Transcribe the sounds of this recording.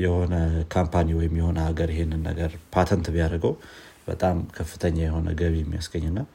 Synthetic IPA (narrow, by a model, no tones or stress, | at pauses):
jɛho̞nəkʰampʰaniwɔjɪmjɛho̞nəhaɡəɾjɪhenːɨnːə̰ɡəɾpʰat̪ʰənt̪bijaɾəɡəw | b̥ə̰t̪ʼamkʰəfːɨ̥t̪ʰəɲːajɛho̞nə̰ɡəβijɛmːijasɡəɲːɨnːa